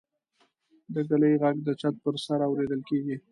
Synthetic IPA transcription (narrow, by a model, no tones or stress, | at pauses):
d̪əɡaləjɣaɡ̚d̪ət͡ʃat̪̚pəɾsaɾawɾed̪əlkeɡi